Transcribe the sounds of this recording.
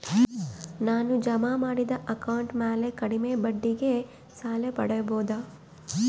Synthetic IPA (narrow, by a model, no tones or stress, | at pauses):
naːnud͡ʒɐmamaːɽid̪ɐʔɐkɐwɳʈmeːlekɐɽimebɐɖːiɡe | saːlepɐ̰ɽɐjɐboːd̪a